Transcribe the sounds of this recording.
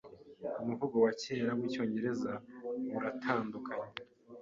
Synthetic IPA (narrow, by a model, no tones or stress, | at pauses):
umuvuɡo̞waceːɾamwiːco̞ːɲɟe̞ɾe̞zauɾatʰaːndukʰaɲe